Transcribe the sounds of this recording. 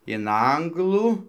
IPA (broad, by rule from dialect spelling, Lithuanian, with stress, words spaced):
ɪn ˈɐŋɡlˠuː